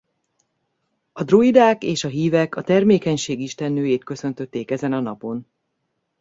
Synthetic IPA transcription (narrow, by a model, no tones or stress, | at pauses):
ɒd̪roid̪aːkeːʃɒɦiːvɛkɒt̪ɛrmeːkɛɲʃeːɡiʃt̪ɛnːøːjeːt̪kø̞sø̞nt̪øt̪ːeːkɛzɛnɒnɒpo̞n